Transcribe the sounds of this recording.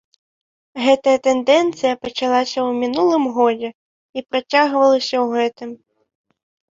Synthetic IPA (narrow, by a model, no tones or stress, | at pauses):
ɣɛt̪ɐjɐt̪ɛnd̪ɛnt̪sɨjɐpɐt͡ʂalˠasʲɐwmʲinulˠɨmɣɔd͡zʲɛ | ipɾat͡sʲaɣvɐlˠɐsʲɐwɣɛt̪ɨm